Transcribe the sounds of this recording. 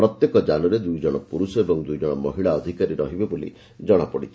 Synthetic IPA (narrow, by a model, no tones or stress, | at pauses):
pɾɔt̪jekɔd͡ʒanɔɾed̪ujd͡ʒɔɽ̃ɔpuɾusɔebɔŋd̪ujd͡ʒɔɽ̃ɔmɔɦiɭaɔd̪ʱikaɾiɾɔɦibebolḭ | d͡ʒɔɽ̃apɔɽḭt͡ʃʰi̥